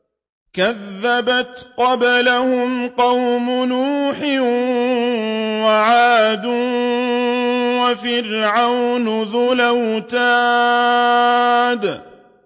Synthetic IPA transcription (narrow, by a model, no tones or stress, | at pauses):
kaðːabat̪qɑblahʊmqɑwmʊnuːħɪ | waʕaːd̪u | wafɪɾʕawnʊðʊlawt̪aː | d̪